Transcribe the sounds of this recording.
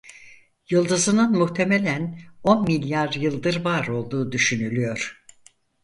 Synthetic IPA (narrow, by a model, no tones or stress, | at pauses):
jɯlˠd̪ɯzɯnɯnmuht̪ʰe̞me̞lʲæno̞nmilʲjaɾjɯlˠd̪ɯɾvaɾo̞lˠd̪uːd̪yʃynylʲyjo̞ɾ̥